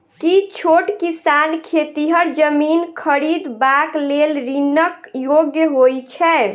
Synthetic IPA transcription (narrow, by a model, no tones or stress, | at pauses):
kit͡ʃʰoʈkisankʰet̪iɦəɾd͡ʒəminkʰəɾid̪baklelɾinəkjoɡjəɦojt͡ʃʰɛ